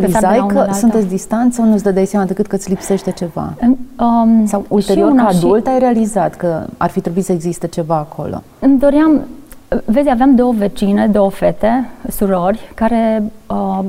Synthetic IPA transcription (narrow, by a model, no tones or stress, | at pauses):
iazajukəsunt̪esʲd̪ist̪ant̪sawnut̪sd̪əd̪ajseamad̪ekɨt̪̚kət̪sʲlipse̞ʃt̪e̞t͡ʃe̞va̰ɨəsawulʃe̞ɾioounəad̪ult̪ajɾealizat̪kəa̰rfit̪ɾebuit̪səeɡzist̪et͡ʃe̞vaːkʰo̞̰lo̞̰ | ɨmd̪o̞ɾjam | vezʲaveamd̪o̞wəvet͡ʃine̞d̪o̞wəfe̞t̪e̞suɾo̞rʲkaɾe̞ə